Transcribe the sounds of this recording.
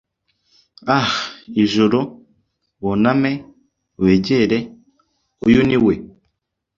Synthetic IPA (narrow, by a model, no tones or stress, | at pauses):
ahiʒuɾo | woname | weːɟeɾe | ujuniwe